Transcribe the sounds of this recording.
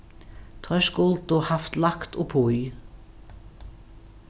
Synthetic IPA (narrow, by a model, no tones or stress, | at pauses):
t̪ʰʁœʃkʊlt̪oːhɑft̪lɑkt̪o̰ːpʰoʏ